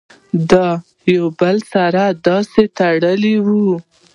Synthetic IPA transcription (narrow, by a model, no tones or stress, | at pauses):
d̪ɑ | jawbəlsaɾad̪ɑset̪aɽəliwu